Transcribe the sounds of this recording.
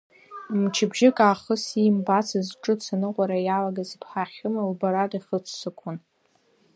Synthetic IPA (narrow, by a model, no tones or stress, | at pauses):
mt͡ʃʰɪbʒɪkʼaːχəsimbat͡sʰɨzʈ͡ʂʼɨt͡sʰanɨqʷʼaɾajalaɡazpʰħaχʲɨmalbaɾatʼiχət͡sʰsɨkʷʰʊn